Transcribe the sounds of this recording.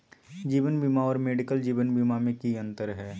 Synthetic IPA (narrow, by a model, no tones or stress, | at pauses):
d͡ʒiːʋənbimaɔːɾmeːɖɪkəld͡ʒiːʋənbimamẽkiə̃nt̪əɾɦɛː